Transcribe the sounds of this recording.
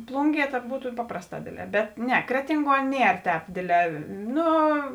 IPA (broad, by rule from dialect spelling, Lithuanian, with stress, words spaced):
ˈplˠuːŋʲˌɡʲiɛ tɐt ˈbuːtʊ ˈpɑːprɐsˌtɑː ˈdʲeːdʲˌlʲɛː bʲɛt ˈnʲɛ ˈkrʲæːtʲɪŋˌɡuɔ ˈnʲiɛr ˈtʲɛːp ˈdʲeːdʲˌlʲɛː ˈnʊ